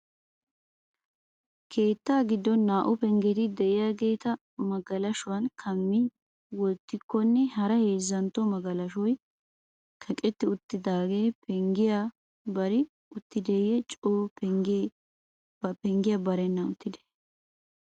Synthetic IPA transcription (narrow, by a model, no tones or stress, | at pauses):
kʰe̞ːt̪ːaːɡɪd̪ːɔnːaːʔʊpɛŋɡɛt̪ɪd̪ɛʔɪjaɡe̞ːt̪ɐ | mɐɡɐlɐʃʊwɐnkʰɐmːɪ | wɔt̪ːɪkːɔnːɛɦɐɾɐhe̞ːzːɐnt̪ːɔmɐɡɐlɐʃɔj | kʰɐkʼɛt̪ːɪʊt̪ːɪd̪aːɡe̞ːpʰɛŋɡɪja | bɐɾɪ | ʊt̪ːɪd̪ɛjɛt͡ʃʼoːpɛŋɡ | ɐpɛŋɡɪjɐbɐɾɛnːɐʊt̪ːɪd̪ɛ̥